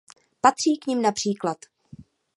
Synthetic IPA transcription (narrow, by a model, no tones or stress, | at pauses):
pat̪r̝̥iːkɲɪmnapr̝̥iːklat̪